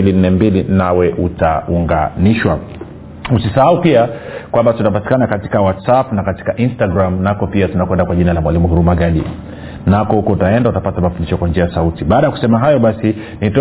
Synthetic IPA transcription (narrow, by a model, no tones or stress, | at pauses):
lin̩ːɛmbilinawɛʔutauŋɡa̰niʃwa | usisahaupiakwambatunapati̥kanakati̥kawatsapnakati̥kaʔinstaɡɾamnakɔpiatunakwɛndakwaʄinalamwalimuhuɾumaɠaɗḭ | nakɔhukɔutaɛndautapatamafundiʃɔkwand͡ʒiajasautiɓaːɗajaku̥sɛmaɦajɔɓasi | nitɔ